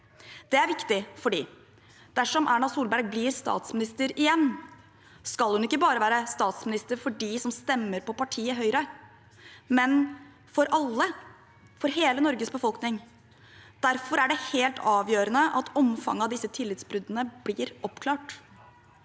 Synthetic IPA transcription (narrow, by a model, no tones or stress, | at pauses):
d̪̥ɛæɾʋɪkt̪ɪfɔɖḭː | d̪̥æʂɔmʔæɳɑsuːlbæɾɡ̚bliːɾst̪ɑ̰ːt̪smɪnɪst̪əɾɪjɛnː | skɑlhʉnɪkːəbɑːɾəʋæːɾəst̪ɑːt̪smɪnɪst̪əɾfɔɖiːsɔmst̪ɛmːəɾpɔpɑʈʰiːəɦœʏɾə | mɛn | fɔɾʔɑlːə | fɔɾɦeːlənɔɾɡəsbəfɔlknɪŋ | d̪̥æɾfɔɾæɖɛheːlt̪ʰɑːʋjøːɾənəʔɑt̪ʰɔmfɑ̰ŋːɑd̪ɪsːət̪ʰɪlːɪt̪sbɾʉd̪ənəblɪɾɔpkʰlɑːʈ